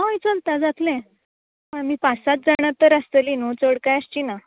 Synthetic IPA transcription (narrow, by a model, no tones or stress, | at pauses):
ɦajt͡səlt̪ad͡zat̪lẽ | məmiːpasat̪̚d͡zaɽ̃at̪ːəɾast̪əlinut͡səɽkajəst͡ɕina